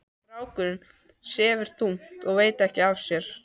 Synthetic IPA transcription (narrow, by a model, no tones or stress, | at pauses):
ɾaːwkʏɾɪn | sɛːvʏɾ̥θuŋ̥t̪ɔɣveːjt̪aɛhcɪavsjɛɾ̥